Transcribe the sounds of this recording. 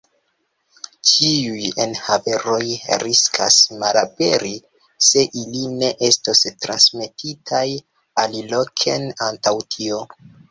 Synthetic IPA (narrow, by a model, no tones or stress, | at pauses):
t͡ʃiujenhave̞ɾo̞jɾiskʰa̰smalape̞ɾi | se̞ʔiline̞ʔe̞stostɾa̰nsme̞tʰitʰaj | alilokʰenantawtʰio̞